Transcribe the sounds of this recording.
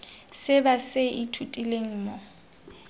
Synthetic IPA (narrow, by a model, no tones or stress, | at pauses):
sɪbasɪʔitʰutʼileŋ̩ːmɔ